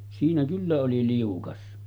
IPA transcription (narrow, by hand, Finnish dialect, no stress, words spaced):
siːnæ kylːæ oli liukɑs